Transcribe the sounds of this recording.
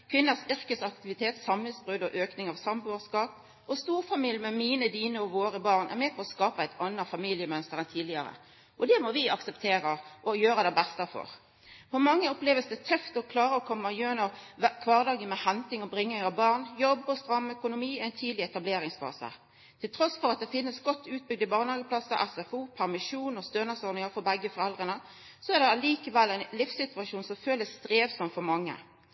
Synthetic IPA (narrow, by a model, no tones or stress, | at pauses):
kʰʋɪnːəsʏɾkəsɑk̚t̪ɪʋɪt̪ʰeːt̪sɑməsbʁʉd̪ɔʔøːknɪŋɑʋsɑmbøːskɑːp | ɔst̪uːɾfɑmiljmɛmiːnəd̪iːnəɔʋoːɾəbɑːʁnʔɛ̰ʁmeːpʰɔɔskɑːpəæɪt̪ʰɑnːəfɑmiljəmœnst̪əɾɛnt̪ʰiːd̪lɪɑɾə̰ | ʔɔd̪ɛmɔʋɪɑksɛpt̪ʰeːɾəʔɔjøːɾəd̪ɛbɛst̪əfɔ̰ɾ | fɔmɑŋːəɔpleːʋəsd̪ɛt̪ʰœft̪ɔkʰlɑːɾəɔkʰɔmːəjøːnəʁkʰʋɑːʁd̪ɑːɡənmɛhɛnt̪ɪŋɔbɾɪŋːəɑbɑːʁnjɔbːɔst̪ɾɑmːœkʊnʊmiːæɪnt̪ʰiːd̪lɪɛt̪ɑbleːɾɪŋsfɑ̰ːsə̰ | t̪ʰɪlt̪ʰɾɔsfɔɾɑt̪̚d̪ɛfɪnːəsɡɔt̪ʰːʉːt̪̚bʏɡ̚d̪əbɑːʁnhɑːɡəpʰlɑsəɾʔɛsɛfuːpʰæʁmɪʂuːnɔst̪øːnɑsɔɾd̪nɪŋəfɔɾbɛɡːəfɔʁɛld̪ʁənə | sɔɛʁd̪ɛɑliːkəʋɛlːæɪnlɪfsɪt̪ʉɑʃuːnsɔmføːləst̪ɾeːʋsɔmt̪fɔɾmɑŋːə̰